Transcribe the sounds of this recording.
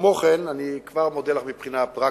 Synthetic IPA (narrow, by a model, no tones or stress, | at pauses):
mo̞χenanikvaʁmod̪elaχmipχinatʁa